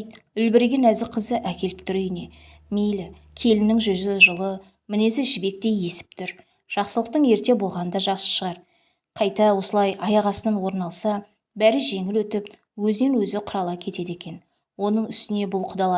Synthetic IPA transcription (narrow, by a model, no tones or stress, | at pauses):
t̪ | ʏlbɪɾɡʲenæzɪqʰəzəʔækʲe̞lɪp̚t̪ʏɾʏjne̞ | mejlɪ | kʲʰe̞lɪnɪŋʒʏzɪʒəlˠə | mɪne̞sɪʒɪbe̞k̚t̪e̞je̞sɪ̥p̚t̪ʰʏɾ | ʒ̥ɑqsəlˠəq̚t̪əɴe̞ɾt̪e̞bo̞lˠʁɑnənd̪ɑʒɑqsə̥ʃəʁɑɾ | qʰɑjt̪ɑwo̞səlˠɑjɑjɑʁɑsənənwo̞ɾnɑlˠsɑ | bæɾɪʒe̞ŋɪlwɵt̪ɪp | wɵzɪne̞nwɵzɪqʰʊɾɑlˠɑkʲʰe̞t̪e̞d̪e̞kʲe̞n | wo̞nəɴʏst̪ɪne̞bʊlˠqʰʊd̪ɑlˠɑ